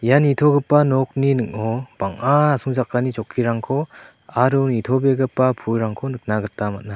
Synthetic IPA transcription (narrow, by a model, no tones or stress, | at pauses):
janitʰɔɡɯpːanɔk̚ninɯk̚ɔbaŋaasʰuŋzakːanit͡ʃɔkʰːiɾaŋkʰɔ | aɾunitʰɔbeɡɯpːapʰujɾaŋkʰɔnɯk̚naɡɯtːamat̚na